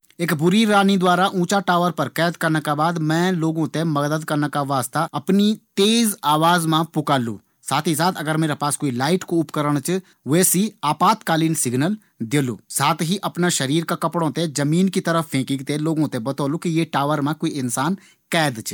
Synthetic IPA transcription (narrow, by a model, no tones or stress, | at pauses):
eːkbʊɾiɾaːnid̪waːɾaʔũːt͡ʃaʈaːʋəɾpɐɾkɛːd̪kɐɾnakabaːd̪mɛ̃ːloːɡõt̪emɐɡd̪əd̪kɐɾnakaʋaːst̪aɐpnit̪eːzaːʋaːzmãpʊkaːlṵː | saːt̪ʰis̬aːt̪ʰɐɡəɾmeːɾapaːskoːilaːɪʈkoʊpkəɾəɽ̃t͡ʃʰ | ʋeːsiaːpaːt̪kaːliːnsɪɡnəl | d̪eːlṵːsaːt̪ʰɦiʔɐpnaʃɐɾiːɾkakɐpɽ̃õt̪ed͡ʒɐmiːnkit̪ɐɾəfpʰẽːkɪ̃ɡt̪eloːɡõt̪ebɐt̪ɔːlũkijeʈaːʋəɾmãkoːiɪnsaːn | kɛːd̪t͡ʃʰ